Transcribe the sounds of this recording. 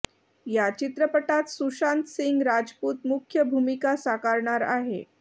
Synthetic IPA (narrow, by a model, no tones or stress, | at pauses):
jat͡ɕit̪ɾəpəʈat̪susant̪siŋɡɾad͡zpuːt̪mukʰjəbʱumikasakaɾɳaɾa̰ɦḛ